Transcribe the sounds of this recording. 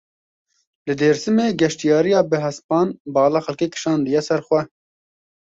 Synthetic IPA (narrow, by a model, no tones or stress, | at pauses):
lɨd̪eːɾsɨmeːɡɛʃt̪ijɑːɾijɑːbɨɦɛspɑːnbɑːlɑːxɛlkeːkɨ̥ʃɑːnd̪ɨjɛsɛɾxʷwɛ